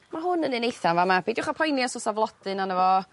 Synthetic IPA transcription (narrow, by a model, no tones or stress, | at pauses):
maɦʊnənɪnejθanvamabʰidɪʊχapʰɔjnjasɔsavlˠɔd̥ɨnanəvɔ